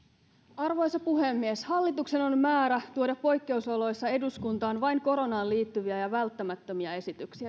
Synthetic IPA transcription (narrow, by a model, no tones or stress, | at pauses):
ɑrʋo̞jsɑpuɦe̞mːieshɑlːit̪ukse̞no̞nmæːɾæt̪uodɑpːo̞jkːe̞usolo̞jsːɑe̞duskunt̪ɑːnʋɑjŋko̞ɾo̞nɑːnliːt̪ːyʋiæjɑʋælt̪ːæmæt̪ːø̞miɑe̞sit̪yksiæ